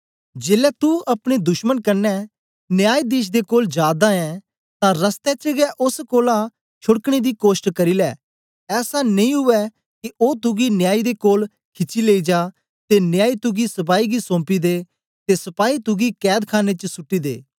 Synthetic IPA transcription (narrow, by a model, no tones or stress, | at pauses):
d͡ʒeːlɛt̪uɐpɽ̃ed̪ʊʃmənkɐɾnːɛ | nɪjaːid̪iːʃ̬d̪ekoːld͡ʒjaːd̪aɛ̃ | t̪ãɾəst̪ɛt͡ʃəɡɛʔʊskoːlã | t͡ʃʰʊɽkɽ̃ed̪ikoːsʈkɐɾiːlɛː | ɛːsanɐĩɦʊʋɛ | kiʔoːt̪ʊɡinɪjaːid̪ekoːl | kʰɪt͡ʃːileːid͡ʒaː | t̪enɪjaːit̪ʊɡisɐp̬aːiɡisõːmpid̪eː | t̪esɐpaːit̪ʊɡikɛːd̪kʰaːnet͡ʃəsʊʈːid̪ḛː